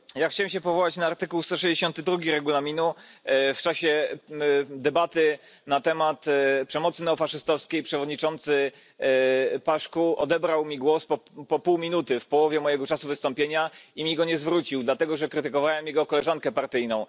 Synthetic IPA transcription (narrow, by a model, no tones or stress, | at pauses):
jaxt͡ɕawɛmɕɛpɔvɔwat͡ɕnaːɾt̪ɘkuwst̪ɔʂɛʑd͡ʑeɕɔnt̪ɘd̪ɾuɡʲiɾɛɡulamʲinuft͡ʂaɕɛ | d̪ɛbat̪ɘ | nat̪ɛmat̪pʂɛmɔt̪sɘnɛufaʂɘst̪ɔfskʲejpʂɛvɔd̪ɲit͡ʂɔnt̪sɘ | paʂkuʔɔ̰d̪ɛbɾawmʲiɡwɔspɔpɔpuwmʲinut̪ɘfpɔwɔvʲjɛmɔjɛɡɔt͡ʂasuvɘst̪ɔ̃mpʲjeɲaimʲiɡɔɲɛzvɾut͡ɕiwd̪lat̪ɛɡɔʐɛkɾɘt̪ɘkɔvawɛmjɛɡɔkɔlɛʐaŋkɛpaɾt̪ɘjnɔ̃w̃